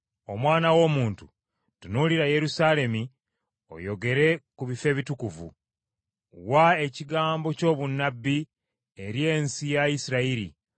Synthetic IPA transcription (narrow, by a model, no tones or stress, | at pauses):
o̞mwaːnawo̞ːmuːntu | tunuliɾaje̞ɾusale̞mi | o̞̰jo̞ɡe̞ɾe̞kuβife̞ːβitukuvṵ | wae̞ciɡaːmbo̞co̞ːβunːabːi | e̞ɾje̞ːnsijaisiɾaiɾḭ